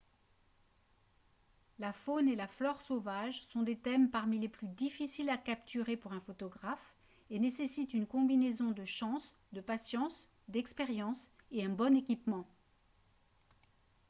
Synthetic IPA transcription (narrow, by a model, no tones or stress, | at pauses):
lafonelaflɔʁsovaʒsɔ̃d̪et̪ɛmpaʁmileplyd̪ifisilakapt̪ʰyʁepuʁɛ̃fot̪ɔɡʁaf | enesesit̪ynkɔ̃binezɔ̃d̪əʃɑ̃s | d̪əpasjɑ̃s | d̪ɛkspeʁjɑ̃s | eɛ̃bɔnekʲipmɑ̃